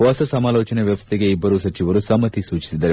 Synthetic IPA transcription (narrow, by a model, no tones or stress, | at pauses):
ʋasɐsɐmaloːt͡ʃɐneʋjɐʋɐst̪ʰiɡeibɐɾusɐt͡ʃiʋəɾusɐmɐt̪isuːt͡ʃi̥sid̪ɐɾe